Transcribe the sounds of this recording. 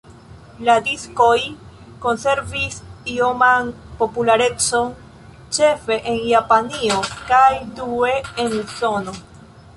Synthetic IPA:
ladisko̞j | ko̞nse̞ɾvisiomanpo̞pulaɾe̞t͡so̞n | t͡ʃe̞fe̞ʔenjapanio̞kajdue̞enuso̞no̞

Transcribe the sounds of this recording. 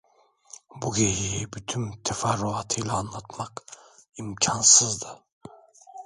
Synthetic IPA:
buɡeɦijibyt̪ʰymt̪ʰefaɾːuat̪ʰɯjlˠaːnlˠat̪maqimcʰansɯzd̪ɯ

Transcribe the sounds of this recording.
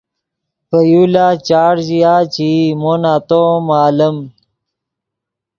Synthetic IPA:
pəjulaːt͡ɕaːɽʑijaːt͡ɕimonaːt̪oːmaːləm

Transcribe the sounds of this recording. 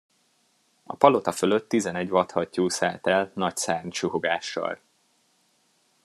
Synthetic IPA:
ɒ̰pɒlo̞t̪ɒfølø̞t̪ːizɛnɛɟvɒt̪hɒcːuːsaːt̪ɛlnɒcsaːrnt͡ʃuhoɡaːʃːɒ̰l

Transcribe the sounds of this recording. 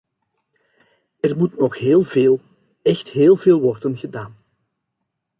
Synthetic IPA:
ɛrmutnɔxɦeːlˠveːlˠ | ɛxtɦeːlˠveːlˠʋɔrdənɣədaːn

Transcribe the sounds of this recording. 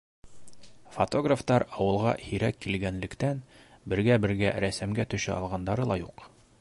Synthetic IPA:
fot̪oɡraft̪ɑɾɑwɤ̆lˠʁɑ̰hiɾækːilɡænlɘ̆kt̪ænbɘ̆ɾɡæbɘ̆ɾɡæɾæsæmɡæt̪ɵ̆ʃɘʔɑlˠʁɑnd̪ɑɾɤlˠɑjuq

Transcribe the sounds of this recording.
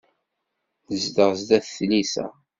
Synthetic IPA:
əzd̪əʁzd̪æθθnisæ̰

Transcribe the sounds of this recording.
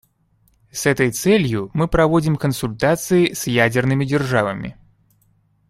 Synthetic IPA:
sɛt̪əjt̪sɛlʲjʊmɨpɾɐvodʲɪmkənsʊlʲt̪at̪sɨɪsjædʲɪrnɨmʲɪdʲɪrʐavəmʲɪ̰

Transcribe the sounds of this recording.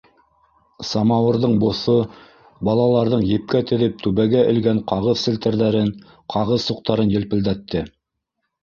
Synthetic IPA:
sɑmɑwɤ̆ɾðɤɴbŏθo | bɑlˠɑlˠɑɾðɤɴjɘ̆p̚kæt̪ɘ̆ðɘp̚t̪ʉβæɡæʔɘ̆lɡæɴqɑʁɤðsɘ̆lt̪ɘ̆ɾðæɾɘn | qʰɑʁɤðsuq̚t̪ɑɾɤnjɘ̆lpɘ̆ld̪æt̪ːɘ

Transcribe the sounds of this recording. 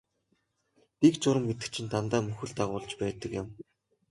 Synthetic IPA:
pikt͡sʊɾə̆mːet̪ɘ̆k̚t͡ɕʰɪ̆nt̪ʰant̪aːmɵxɘ̆ɮt̪aʁʊːɮt͡ɕpæːt̪ə̆kjɪ̆m

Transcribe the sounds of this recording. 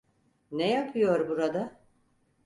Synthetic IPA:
nejapʰɯjo̞ɾbuɾad̪a

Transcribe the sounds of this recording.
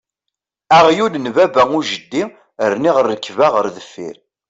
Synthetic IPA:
æʁjulnvæbæuʒəd̪ːi | əɾniʁəɾːəkːvaʁəɾðəfːḭɾ

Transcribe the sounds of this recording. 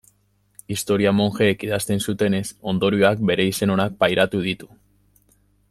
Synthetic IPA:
ist̪o̞ɾiamo̞ŋʝe̞ːkiðast̪e̞nsut̪e̞ne̞so̞nd̪o̞ɾioak̚be̞ɾe̞ise̞no̞nak̚pajɾat̪uð̞it̪u̥

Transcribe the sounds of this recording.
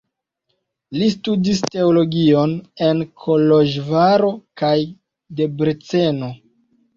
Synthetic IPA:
listudiste̞olo̞ɡio̞ne̞nkʰo̞lo̞ʒvaɾo̞kaj | de̞bɾet͡se̞no̞

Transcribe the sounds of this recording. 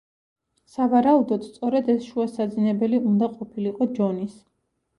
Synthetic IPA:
savaɾaud̪ɔd̪st̪sʼɔɾɛd̪ɛsʃuasad̪zinɛbɛliund̪aqʼɔpʰiliqʼɔd͡ʒɔnis

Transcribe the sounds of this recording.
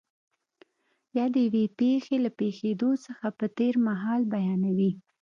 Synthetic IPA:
jɑd̪əjawepexelapexed̪osəxapət̪eɾmaɦɑlbajɑnawi

